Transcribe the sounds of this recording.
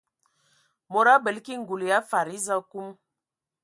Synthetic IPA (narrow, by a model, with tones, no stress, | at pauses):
mo˨ɾa˦bɛ˨lki˦ŋ˨ɡu˨lja˦fa˨ɾi˦za˦ku˦m